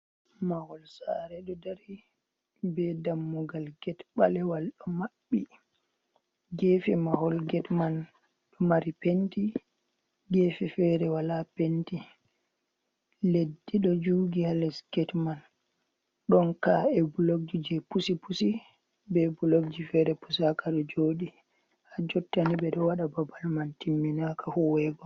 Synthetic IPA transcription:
mahɔlsa̰ɾɛɗɔdaɾi | bɛdamːuɡalɡɛtɓa̰lɛwalɗɔmaɓːi | ɡɛfɛmahɔlɡɛtman | ɗɔmaɾipenti | ɡɛːfɛfɛɾɛwalapenti | ledːiɗɔd͡ʒuɡihalɛsɡ̥ɛtman | ɗɔnkaɛbulok̚d͡ʒid͡ʒɛpusipusi | bɛbulok̚d͡ʒifɛɾɛpu̥sakaɗɔd͡ʒoːɗi | had͡ʒɔtːanibɛɗɔwaɗababalmantimːinakahuwɛɡɔ

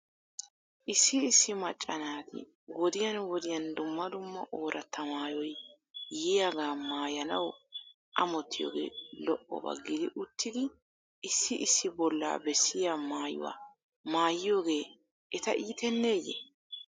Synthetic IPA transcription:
ʔɪsːɪːsːɪmɐt͡ʃʼːɐnaːt̪ɪ̰ | wɔd̪ɪjɐnwɔd̪ɪjɐnd̪ʊmːɐd̪ʊmːɐʔo̞ːɾʔɐt̪ʰːɐmaːjɔjː | ɪjaɡaːmaːjɐnɐw | ʔɐmɔt̪ːɪjo̰ːɡḛːlɔʔːɔ̰bɐ̰ɡːɪd̪ɪʔʊt̪ːɪd̪ɪ | ʔɪsːɪʔɪsːɪbɔlːa̰ːbɛsːɪjaːmaːjʊ̰wa̰ː | maːjɪjo̞ːɡe̞ː | ʔɛt̪ɐ̰ʔiːt̪ɛnːe̞ːjɛ̰

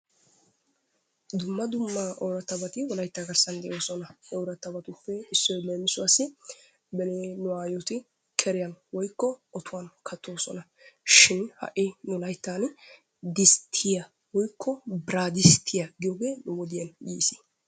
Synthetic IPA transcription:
d̪ʊmːɐd̪ʊmːɐʔɔwɾɐt̪ːɐbɐt̪ɪwɔlɐjt̪ːaɡɐɾsɐnd̪ɛʔo̞ːsɔnɐʔɔwɾɐt̪ːɐbɐt̪ʊpːɛɪsːɔjmeːmɪsʊɐsɪ | bɛnenʊaːjɔt̪ɪ | kʰɛɾɪjɐnwɔjkːɔɔt̪ʰʊwɐnkʰɐt̪ːo̞ːsɔnɐ | ʃɪnhɐ̰ʔɪnʊlɐjt̪ːaːn | d̪ɪst̪ʰɪjɐ | wɔjkʰːɔbɪɾaːd̪ɪst̪ʰɪjɐɡɪjɔːɡeːnʊwɔd̪ɪjɐnjiːsi̥

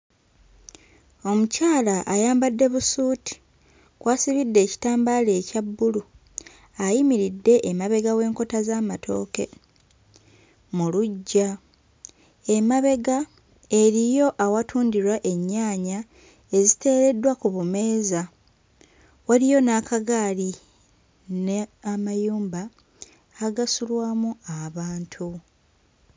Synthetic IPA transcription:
o̞mucaːlaʔajaːmbadːe̞βusuːti̥ | kwaːsiβidːe̞ːci̥taːmbaleːcabːulu | ajimiɾidːe̞ʔːmaβe̞ɡawe̞ːŋko̞tazaːmatʰo̞̰ːke̞̰ | muluɟːa | e̞maβe̞ɡa | eɾijo̞ʔawatʰuːndiɾwaʔe̞ɲːaːɲa | e̞zite̞ːɾe̞dːwakuβume̞ːza | waɾijo̞nakʰaɡaːli | neamajuːmbaː | ɡasulwaːmuaβaːntʰu

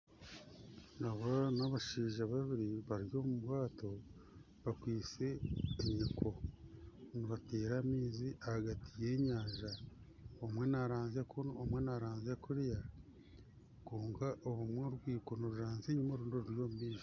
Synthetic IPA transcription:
naβanaβaʃiːʒaβaβiɾiβaɾjo̞ːmubwaːto̞ | βakwiːt͡se̞ːɲikʰo̞ | niβateːɾamiːziʔahaɡatʰije̞ːɲaːʒa | omwe̞naɾaːnzekʰunomwe̞naɾaːnzekuɾja | kuːŋɡaʔoβumweɾɡwiːkonoɾuʒaːnzeɲumoɾuːndoɾuɾjo̞ːmumiːʒo

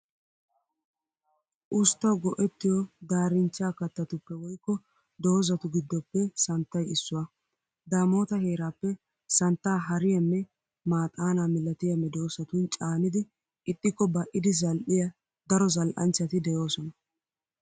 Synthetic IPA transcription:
ʔʊst̪ːɐwɡɔʔɛt̪ːɪjɔd̪aːɾɪnt͡ʃːaːkɐt̪ːɐt̪ʊpːɛwɔjkːɔ | d̪oːzɐt̪ʊɡɪd̪ːɔpːɛsɐnt̪ːɐjɪsːʊwɐ | d̪aːmo̞ːt̪ɐhe̞ːɾaːpːɛ | sɐnt̪ːaːɦɐɾɪjɐmːɛ | maːt̪ʼaːnaːmɪlːɐt̪ɪjɐmːɛd̪o̞ːsɐt̪ʊnt͡ʃʼaːnɪd̪ɪ | ɪt̪ʼːɪkːɔbɐʔɪd̪ɪzɐlʔɪjɐ | d̪ɐɾɔzɐlʔɐ̰nt͡ʃːɐt̪ɪd̪ɛjo̞ːsɔnɐ

